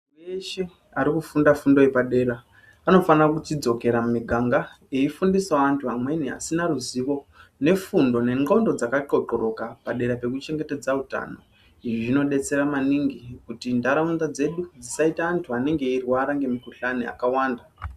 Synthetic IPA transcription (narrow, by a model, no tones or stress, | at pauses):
eʃe | aɾikufundafundo̞epaɗe̞ɾaː | no̞fanarakut͡ʃid͡zo̞ke̞ɾamumiɡʱaŋɡa | eifundisaʋantʰuɦamwe̞nia̰sinaɾuziʋo̞ne̞fundo̞ne̞ŋo̞ndo̞d͡zakaǃo̞ǃoɾo̞kapaɗe̞ɾape̞kut͡ʃe̞ŋɡe̞te̞d͡zauta̰no̞̰ | iʐiʐino̞ɗe̞t͡se̞ɾamaniŋɡikutindaɾaund̪ad͡ze̞ɗud͡zisaitaːntʰuane̞ŋɡe̞irwaɾaŋɡe̞mikuɬania̰kawaːnda